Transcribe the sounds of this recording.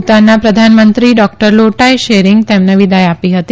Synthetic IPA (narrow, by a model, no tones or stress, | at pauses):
t̪anːapɾəd̪ʱanmənt̪ɾiɖɔk̚ʈəɾloʈajʃeɾɪŋɡt̪emneʋid̪ajapiɦət̪i